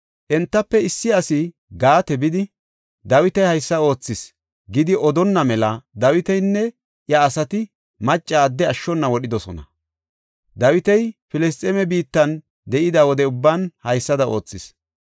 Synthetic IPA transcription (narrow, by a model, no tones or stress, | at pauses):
ʔɛnt̪ːɐpːɛɪsːɪɐsɪ | ɡaːt̪ɛbɪd̪ɪ | d̪ɐwɪt̪ɐjhɐjsːɐo̞ːt͡sːɪs | ɡɪd̪ɪʔɔd̪ɔnːɐmɛlɐd̪ɐwɪt̪ɛjnːɛ | ʔjɐːsɐt̪ɪ | mɐt͡ʃʼːaːd̪ːɛɐʃːɔnːɐwɔɗɪd̪ɔsɔ̰nɐ̰ | d̪ɐwɪt̪ɛjfɪlɛs̬t̪ʼɛmɛbiːt̪ːɐn | d̪ɛʔɪd̪ɐwɔd̪ɛʊbːɐnhɐjsːɐd̪ɐo̞ːt͡sːɪs